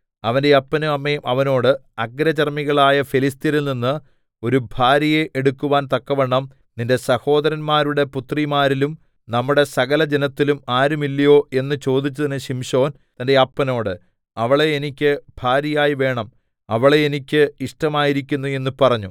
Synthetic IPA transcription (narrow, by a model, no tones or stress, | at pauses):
ɐʋɐndeɐpːɐnuɐmːeːmʔɐʋɐno̞ːɽɨɐɡɾɐt͡ɕɐrmiɣɐɭaːjɐfilis̬t̪iɾilninːɨ | o̞ɾubʱaːɾɐjeʔeɽukːuʋaːnt̪ɐkːɐʋeɳːɐm | ninde̞sɐho̞ːd̪ɐɾɐnmaːɾuɽe̞put̪rimaːɾilum | nɐmːuɽe̞sɐɣɐlɐd͡ʑenɐt̪ːilumaːɾumilːɐjo̞ːe̞nːɨt͡ɕo̞ːd̪it͡ɕːɐðɐnɨɕimʂo̞ːn | t̪ɐnde̞ɐpːɐno̞ːɽɨ | ɐʋɐɭeːnikʲːɨbʱaːɾjɐjaːjiʋe̞ːɳɐm | ɐʋɐɭeenikʲːɨiʂʈɐmaːjiɾikʲːunːue̞nːupɐrɐɲːu